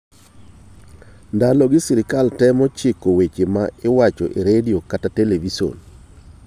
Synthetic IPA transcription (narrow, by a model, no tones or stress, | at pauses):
ndalɔɡɪsiɾɪkaltɛmɔt͡ʃɪkowet͡ʃemaɪwat͡ʃɔ̰ʔeɾediokatateleviso̰n